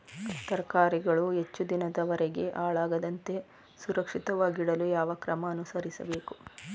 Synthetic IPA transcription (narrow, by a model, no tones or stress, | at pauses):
t̪ɐɾkaːɾiɡɐɭuɦe̞t͡ʃːud̪inɐd̪ɐʋɐɾɛɡe̞ʔaːɭaːɡɐd̪ɐnt̪e̞ | suɾɐkʂit̪ɐʋaːɡiɽɐlujaːʋɐkɾɐmɐːnusɐɾisɐ̰beːku̥